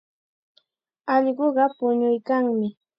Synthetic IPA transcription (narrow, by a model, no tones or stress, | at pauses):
ɑʎɢoɢɑpʊɲʊjkaŋmɪ